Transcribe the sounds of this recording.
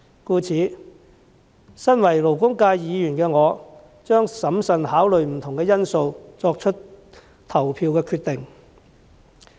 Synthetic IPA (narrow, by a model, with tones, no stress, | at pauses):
kuː˧t͡sʰiː˨˥ | sɐ˥nwɐ˨˩jlo˨˩wkʊ˥ŋkaː˧jjiː˨˧jyː˨˩nkɛː˧ŋɔː˨˧ | t͡ʃœː˥ŋsɐ˨˥msɐ˨nhaː˨˥wlɵ˨ɥm̩˨˩t̪ʰʊ˨˩ŋkɛː˧jɐ˥nso˧wt͡sɔː˧k̚t͡ʃʰɵ˥t | t̪ʰɐ˨˩wpʰiː˧wkɛː˧kʰyː˧t̪ɪ˨ŋ